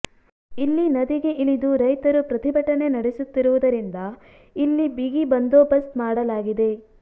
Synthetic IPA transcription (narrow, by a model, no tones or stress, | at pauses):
ilːinɐd̪iɡeʔilid̪uɾɐjt̪ɐɾupɾɐt̪ʰibɐʈɐne̞nɐɽesut̪ːiɾuʋud̪ɐɾind̪ɐ | ilːibiɡibɐnd̪oːbɐst̪maːɽɐlaːɡid̪e̞